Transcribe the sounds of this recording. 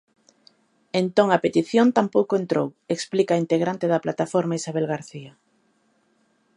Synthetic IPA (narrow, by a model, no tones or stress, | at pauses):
ent̪oŋɐpet̪iθjont̪ampowkoent̪ɾoweksplikaint̪eɣɾant̪eðɐplat̪afoɾmaisaβelɣaɾθiɐ